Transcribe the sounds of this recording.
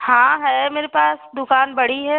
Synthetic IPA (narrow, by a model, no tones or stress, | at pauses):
hãɦɛmeːɾepaːsd̪ʊkaːnbɐɽ̤iɦɛ